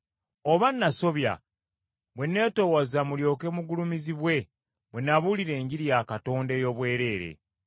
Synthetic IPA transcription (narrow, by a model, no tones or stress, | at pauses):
o̞βanːaso̞βja̰ | βwe̞nːe̞ːto̞ːwazamuljo̞ːke̞muɡulumiziβwe̞ | bwe̞nːaβuliɾe̞ːɲɟiɾijakato̞ːndeːjo̞ːβwe̞ːɾe̞ːɾe̞̰